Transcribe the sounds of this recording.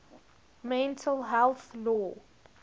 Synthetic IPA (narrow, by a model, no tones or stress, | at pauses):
mɛ̃ntʰəlɦɛlθlɔː